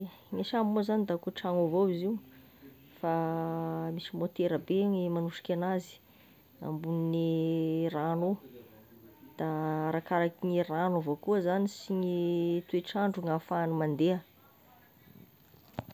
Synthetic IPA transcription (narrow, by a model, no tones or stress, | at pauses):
ŋiʃammozanid̪akuʈ͡ʂaŋovowiziw | fa | misimot̪eɾəbeɲimanuʃi̥kʲanazi̥ | a̰mbuninirano | d̪̥aɾakaɾakiɲiranovokuəzanisiɲit̪ueʈ͡ʂaɳɖ͡ʐuŋafanumand̪eə